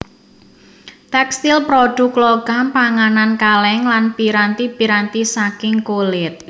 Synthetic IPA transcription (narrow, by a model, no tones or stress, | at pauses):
t̪ɛkst̪ilpɾɔɖ̥ṳklɔɡ̥ampaŋanankalɛŋlanpiɾant̪ipiɾant̪isakɪŋkolɪt̪̚